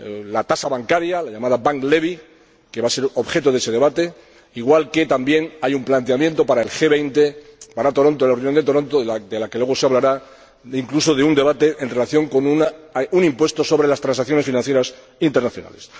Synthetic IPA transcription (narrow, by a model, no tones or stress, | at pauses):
lat̪asaβaŋkaɾjalaʎamaðabaŋkle̞βi | ke̞βase̞ɾo̞βxe̞t̪oðe̞se̞ðe̞βat̪e̞ | iɣwalke̞t̪ambje̞najumplant̪eamje̞nt̪o̞paɾaelxe̞βejnt̪e̞paɾat̪o̞ɾo̞nt̪olarunjo̞nd̪e̞t̪oɾo̞nt̪oad̪elakelwe̞ɣ̞oseaβlaɾa | iŋkluso̞ðeund̪e̞βat̪e̞ʔenre̞laθjo̞ŋko̞nunaunĩmpwe̞st̪o̞so̞βɾe̞last̪ɾansakθjo̞ne̞sfinãnθje̞ɾas | int̪e̞ɾnaθjo̞na̰le̞s